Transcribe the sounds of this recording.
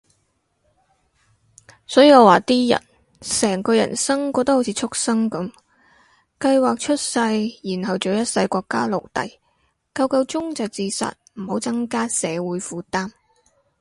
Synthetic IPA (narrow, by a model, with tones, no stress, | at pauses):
sɔː˨˥jiː˧˩ŋɔː˨˧waː˨˩t̪iː˥jɐ̰˨˩n | sɛː˨˩ŋkɔː˧jɐ̰˨˩nsɐ˥ŋkɔː˧t̪ːht͡sʰiː˨˧˥t͡ʃʰʊ˥k̚sɐ˥ŋkɐ˨˥m | kɐ˧jwaː˨k̚t͡ʃʰɵ˥t̚sɐ˧jjiː˨˩nɦɐ˨wt͡so˨wjɐ˥t̚sɐ˧jkʷɔː˧kːa̰ː˥lo˨˩wt̪ɐ̰˨j | kɐ˧wkɐ˧wt͡ʃʊ˥ŋt͡sɐ˨wt͡siː˧sɐ̰˨t̚m̩˨˩ho˨˥wt͡sɐ˥ŋkaː˥sɛː˨˧wuː˨˥jfuː˧t̪aː˥m